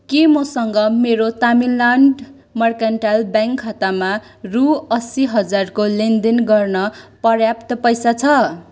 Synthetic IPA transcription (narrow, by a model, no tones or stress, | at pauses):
kemosʌŋɡʌmeɾot̪aminlaɳɖ | mʌrkanʈalbjaŋkʰːʌt̪ama | ruʌsiɦʌd͡zarkolend̪enɡʌrnʌpʌrjapt̪ʌpʌjsat͡sʰʌ